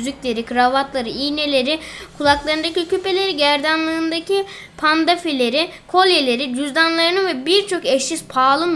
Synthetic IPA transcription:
zycʲlʲe̞ɾikʰɾavat̪lˠaɾɯijne̞lʲe̞ɾikʰulˠaklˠaɾɯnd̪acicʰype̞lʲe̞ɾiɟæɾd̪anlˠɯːnd̪aci | pʰand̪afelʲe̞ɾi | kʰo̞lʲje̞lʲe̞ɾid̪yzd̪anlˠaɾɯnɯvɛbiɾt͡ʃʰo̞kɛʃizpʰaːlˠɯm

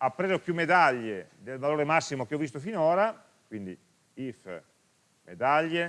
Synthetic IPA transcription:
apːɾeːzokjumːed̪aʎːed̪elvaloːɾemasːimok̟eɔvis̬t̪ofinɔːɾa | kwind̪ḭ | if | mḛd̪aʎːe

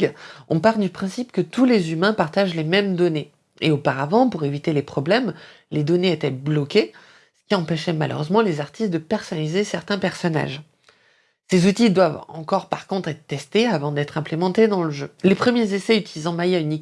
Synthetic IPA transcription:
ɔ̰̃paʁld̪ypχɛ̃sipkət̪ulezymɛ̃paʁt̪aʒlemɛmd̪ɔne | eopaʁavɑ̃puʁevit̪elepχɔblɛm | led̪ɔneet̪ɛblɔkʲe | sə̥kʲiɑ̃pɛʃɛmalø̰ʁøzmɑ̃lezaʁt̪ist̪̚d̪əpɛʁsɔnalizesɛʁt̪ɛ̃pɛʁsɔna̰ʒ | sezut̪id̪wavɑ̰̃kɔʁpaʁkɔ̃t̪χɛt̪t̪ɛst̪eavɑ̃d̪ɛt̪χɛ̃plemɑ̃t̪ed̪ɑ̃ləʒølepχəmjezesɛyt̪ilizɑ̃majaynik

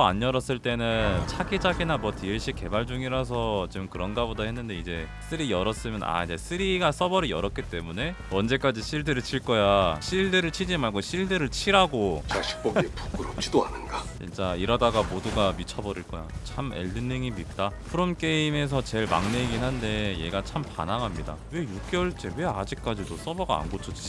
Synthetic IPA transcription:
a̰ɲːjʌɾʌs͈ɯɭt͈e̞nɯnnt͡ɕʰaɡid͡ʑaɡinamwʌtiɭɕ͈ik͈e̞baɭd͡ʑuŋiɾas̬ʰʌt͡ɕimkɯɾʌnɡabodahenːɯnde̞id͡ʑe̞s͈ʰɯɾijʌɾʌs͈ɯmjʌna̰id͡ʑe̞sʰɯɾiɡas͈ʌbʌɾijʌɾʌk͈it͈e̞mune̞ | ʌnd͡ʑe̞k͈ad͡ʑiɕʰiɭdɯɾɯɭt͡ɕʰiɭk͈ʌjaɕʰiɭdɯɾɯɭt͡ɕʰid͡ʑimaɭɡoɕʰiɭdɯɾɯɭt͡ɕʰiɾaɡot͡ɕaɕʰi̥p͈oɡepu̥kɯɾopt͡ɕʰidoanɯnɡat͡ɕʰint͡ɕ͈aiɾʌdaɡamoduɡamit͡ɕʰʌbʌɾiɭk͈ʌjat͡ɕʰamḛɭːɯnːeŋimit̚t͈apʰɯɾomk͈e̞ime̞s̬ʰʌt͡ɕe̞ɭma̰ŋneiɡinɦande̞je̞ɡat͡ɕʰampa̰naŋɦamɲida̰we̞jok͈jʌɭt͡ɕ͈e̞we̞ad͡ʑik̚k͈ad͡ʑidos͈ʌbʌɡa̰a̰nɡot͡ɕʰʌt͡ɕ͈i

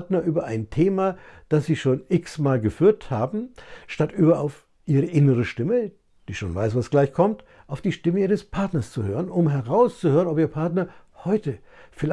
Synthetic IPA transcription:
tnɐʔyːbɐʔaɪntʰeːmad̥asz̥iːʃoːnʔɪksmaːlɡəfyːɐthaːbm̩ʃtatʔyːbɐaʊf | ʔiːʁəʔɪnəʁ̞əʃtɪmə | d̥iːʃoːnvaɪsv̥asɡ̥laɪçkʰɔmt | ʔaʊfd̥iːʃtɪməʔiːʁ̞əspʰaɐtnɐst͡suhøːʁ̞ənʊmɦɛʁaʊst͡suhøːʁənɔpiːɐpʰaɐtnɐhɔʏtə | fɪl

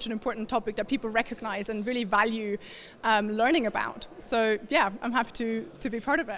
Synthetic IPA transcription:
t͡ʃə̃nɨ̃mpʰɔɹʔn̩tʰɒpɪk̚ðət̚pʰiˑpl̩ˠɹɛkʰəɡnaɪzə̃nɹɪlˠivaljʉ | ʌ̃mlɜ˞ñɪ̃ŋəba̰ʊtsoʊjæãɪ̃mɦapi̥ɾʰɨtʰəbipʰɑɹɾʌvɪ

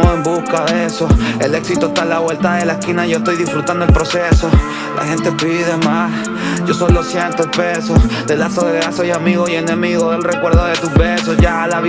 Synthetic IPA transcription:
oembuskaðeeso̞ele̞ksit̪oest̪alaβwe̞lt̪aðelaeskinaʝo̞est̪o̞jðifɾut̪and̪oelpɾo̞seso̞ | lʔa̰he̞nt̪e̞piðiðemas | ɟ͡ʝo̞sojlosjent̪ospeso̞sd̪elasoeɾeaso̞jamiɣoie̞nẽmiɣoðelrekwe̞ɾðoðet̪uzβesosʝalaβ

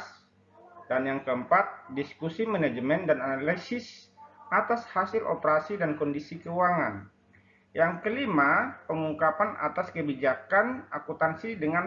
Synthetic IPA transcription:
s | danjaŋkəəmpat̪̚diskusimanad͡ʒəmɛndananalisɪs | ʔat̪ashasɪlʔo̰pəɾasidankɔndisikəuwaŋan | jaŋkəlimapəŋuŋkapana̰t̪askəbid͡ʒakanakut̪ansidəŋan

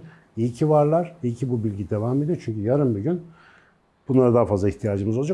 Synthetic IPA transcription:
ijicʰivaɾlˠaɾ̥ijicʰibubilʲɟid̪e̞vame̞d̪iot͡ʃʰyɲcyjaɾɯnbyɟyn | b̥unlˠaɾad̪aɦafazlˠaiçht̪ʰijaːd͡ʒɯmɯzod͡ʒa

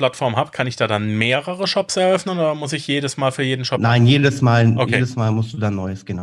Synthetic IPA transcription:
l̥atfɔɐmhaːbəkʰanɪçd̥aːdanmeːʁəʁəʃɔpsɛɐʔœfnənoːdɐmʊs̬ɪçjeːdəsmaːlfyːɐjeːdn̩ʃɔpnaɪnjeːdəsmaːlʔokjʰeːdəsmaːlmʊsd̥uːdanːɔʏəsɡ̥əna

